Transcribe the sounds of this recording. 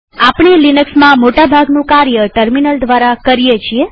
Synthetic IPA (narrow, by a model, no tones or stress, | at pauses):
apɳilinəksmãmoʈabʱaɡnũkaɾjəʈəɾminəld̪ʋaɾakəɾijet͡ʃʰie